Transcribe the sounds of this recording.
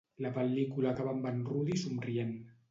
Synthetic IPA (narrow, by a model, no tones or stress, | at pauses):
lapalikulakaβambanruðisumrien